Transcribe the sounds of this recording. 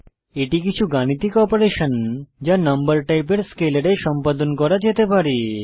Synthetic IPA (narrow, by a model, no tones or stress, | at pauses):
eʈik̬it͡ɕʰuɡañit̪ikɔpoɾeʃond͡ʑanɐmbəɾʈajpeɾskeleɽeʃɔmpad̪onkɔɾad͡ʑet̪epaɾe